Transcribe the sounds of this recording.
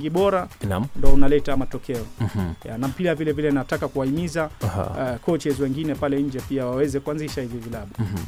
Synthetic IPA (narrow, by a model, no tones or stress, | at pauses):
ɡiɓɔɾanndɔɔunalɛtamatɔkɛɔja̰nam̩piɾavilɛvilɛnatakakuwaimizahkʰɔt͡ʃɛzwɛŋɡinɛpalɛɲd͡ʒɛpiawawɛzɛkuanziʃahivivilaɓu